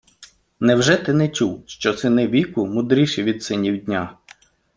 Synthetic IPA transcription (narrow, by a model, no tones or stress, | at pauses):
nɛwʒɛt̪ɪnɛt͡ʃuwʃt͡ʃɔsɪnɪʋʲikʊmʊd̪ɾʲiʃɛʋʲid̪sɪnʲiwdʲnʲa